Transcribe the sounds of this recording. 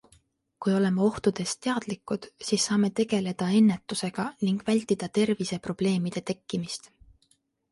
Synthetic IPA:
kujo̞le̞mɑo̞ht̪ud̪̥e̞st̪e̞ɑd̪̥likˑːud̪̥siːsːɑːme̞t̪e̞ɡ̥e̞le̞d̪̥ɑe̞nːe̞t̪ːˑuse̞ɡ̥ɑniŋɡ̥vælʲt̪ːid̪̥ɑt̪e̞rvise̞pro̞b̥le̞ːmid̪̥e̞t̪e̞kːimist̪

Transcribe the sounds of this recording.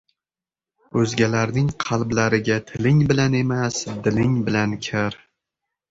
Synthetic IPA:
ɵzɡʲalaɾnɪŋqʰɑlˠblaɾɪɡʲat̪ʰɪlɪŋbɪlane̞masd̪ɪlɪŋbɪlankʲʰaɾ

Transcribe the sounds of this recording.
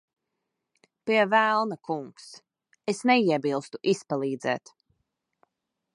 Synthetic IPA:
piɛvælˠnakuŋks | esnɛiɛbilˠst̪uʔispalˠiːd̪zɛ̰ːt̪

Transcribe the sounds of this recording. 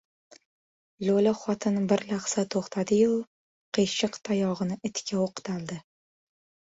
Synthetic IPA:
lolaχɒt̪ʰɪnbɪɾlaχsat̪ʰoχt̪ʰad̪ɪjʊ | qʰeʃɪqt̪ʰajɒʁɨnɪʔɪt̪ʰkʲʰaoqʰt̪ʰald̪ɪ

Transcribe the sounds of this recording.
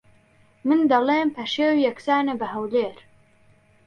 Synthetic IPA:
mɨnd̪ɐleːmpʰɐʃeːwjɐksaːnebɐɦɐwleːɾ

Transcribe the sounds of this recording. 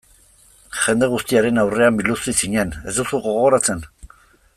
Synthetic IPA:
ʝe̞nd̪e̞ɣ̞ust̪iaɾe̞nawre̞ambild̪usisiɲe̞ne̞zd̪usuɣo̞ɣo̞ɾat͡se̞n

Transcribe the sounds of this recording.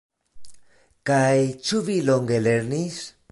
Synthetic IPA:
kajt͡ʃuβiloŋɡeleɾnis

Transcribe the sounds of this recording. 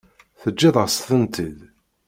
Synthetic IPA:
θəd͡ʒːiðˤəsθənt̪ið

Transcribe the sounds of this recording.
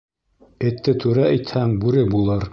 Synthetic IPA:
ɘ̆t̪ːɘt̪ʉɾæʔɘjt̪hæŋbʉɾɘbulˠɤɾ

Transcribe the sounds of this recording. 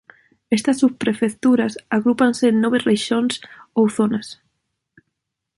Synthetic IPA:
est̪asːuβpɾefekt̪uɾasaɣɾupansenːoβereʃonsowθonas

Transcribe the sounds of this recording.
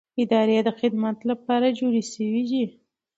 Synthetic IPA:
ɪd̪ɑɾed̪əxɪd̪mat̪lapɑɾad͡ʒoɾiʃəwid̪i

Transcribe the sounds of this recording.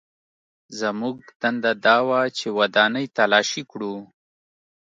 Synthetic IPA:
zəmuɡ̚t̪and̪ad̪ɑwat͡ʃewad̪ɑnəjt̪alɑʃikɽu

